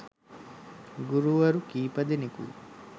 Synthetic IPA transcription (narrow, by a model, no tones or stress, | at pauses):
ɡuɾuʋɐɾukiːpɐd̪inikṵ